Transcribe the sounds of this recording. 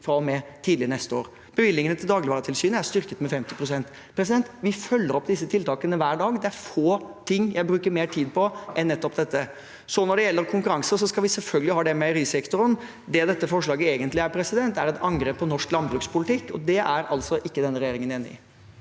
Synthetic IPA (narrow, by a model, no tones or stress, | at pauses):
fɾɑɔmɛt̪ʰiːd̪lɪənɛst̪əo̰ːɾ | b̥əʋɪlːɪŋənət̪ʰɪld̪ɑːɡlɪʋɑːɾət̪ʰɪlsyːnəæɾʂt̪ʏɾkət̪mɛfɛmt̪ɪpʰɾʊsɛnt̪ | pʰɾɛs̬ɪd̪ɛnt̪ʋɪfœlːəɾɔpːd̪ɪsːət̪ʰɪlt̪ɑːkənəʋæːɖɑːɡd̪ɛæɾfoːt̪ʰɪŋːjæɪbɾʉːkəɾmeːʈʰiːd̪pʰɔʔɛnːɛt̪ːɔpd̪ɛt̪ːə | sɔnɔɖɛjɛlːəɾkʰʊŋkʉɾɑŋsəs̬ɔskɑlʋɪsɛlfœlɡəlɪhɑːd̪ɛmɛɾiːsɛkt̪ʊɾən | d̪ɛd̪ɛt̪ːəfɔʂɭɑːɡəeːɡənt̪lɪæɾpʰɾɛsɪd̪ɛnt̪æɾɛt̪ʰɑnɡɾeːpːɔnɔʂklɑnbɾʉːkspʰʊlɪt̪ʰɪkːɔ̰d̪ɛʔæɾɑlt̪sɔʔɪkːəd̪ɛnːəɾɛjeːɾɪŋəneːnɪ̰